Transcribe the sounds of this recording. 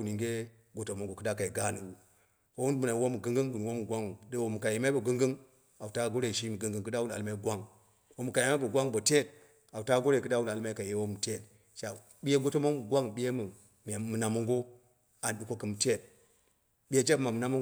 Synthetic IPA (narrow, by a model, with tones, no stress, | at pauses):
ni˨ŋɡe˦ | ɡo˨to˨mo˦ŋɡo˨kɨ˦da˦ka˨i˨ɡa˦nu˨u˨ | wo˦wu˦n˦mu˨na˨wo˦mu˨ɡɨ˦ŋɡɨ˦ŋwu˨ni˨wo˦mu˨ɡʷa˦ŋ˨de˦wo˨mu˨ka˨je˨ma˦bo˨ɡɨ˦ŋɡɨ˦ŋ | a˨u˨ta˦ɡo˦ɾe˨ʃ̬i˦mu˨ɡɨ˦ŋɡɨ˦ŋkɨ˦da˦wu˦n˨a̰˨lma˦i˦ɡʷa˦ŋ | wo˨mu˨ka˨ji˨ma˦bo˨ɡʷa˦ŋbo˨te˦˨t̚ | a˨u˨ta˦ɡo˦ɾe˨kɨ˦da˦wu˦n˨a˨lma˦i˦ka˨je˦wo˦mu˨te˦˨t | ʃa˨ | bi˦je˦ɡo˦to˦mo˦ŋu˨ɡʷa˦ŋɓi˦je˦mu˨ | m˨a˨mɨ˨na˨mo˦ŋɡo˦ | a˨n˨ɗu˦ko˦kɨ˦m˨te˦˨t̚ | bi˦je˦d͡ʒe˦ma˨mɨ˨na˦mo˦